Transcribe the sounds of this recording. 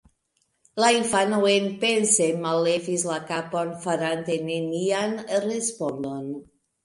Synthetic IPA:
laiɱfanuenpensemalːevizlakaponfaɾant̪enenianrespond̪on

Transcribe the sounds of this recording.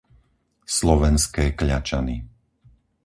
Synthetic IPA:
slɔʋɛnskɛːkʎat͡ʃani

